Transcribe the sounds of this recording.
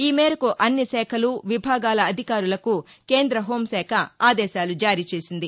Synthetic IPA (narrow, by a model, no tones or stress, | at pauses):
iːmɛːɾɐkuʔɐnːisɛːkʰɐluʋibʱaːɡaːlɐːd̪ʱikaːɾulɐkukeːnd̪ɾɐɦo̞ːmsɛːkʰɐaːd̪ɛːʃaːlud͡ʒaːɾiːt͡ʃe̞ːsind̪i